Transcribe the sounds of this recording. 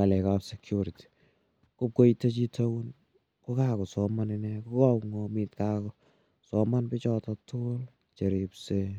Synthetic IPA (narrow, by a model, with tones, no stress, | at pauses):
a˨lɛ˨kapsɛkjuɾiti̥˨ | kʊ˦p̚ko˦ite˦t͡ʃi˦tʰo˦wu˦n | ko˦ka˦kɔ˨sɔma˦nɪnɛko˦kɔ˦pŋɔ˨mɪ˦tka˦kɔ˨ | sɔma˦npɪ˦t͡ʃɔ˦tɔtʊ˦l | t͡ʃe˨ɾi˨pse